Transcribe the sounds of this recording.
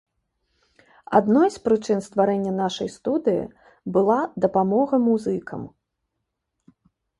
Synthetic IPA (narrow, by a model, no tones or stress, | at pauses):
a̰d̪nɔjspɾɨt͡ʂɨnst̪vaɾɛnʲːɐnaʂɐjst̪ud̪ɨjḭ | bɨlˠad̪ɐpamɔɣɐmuzɨkʰɐ̰m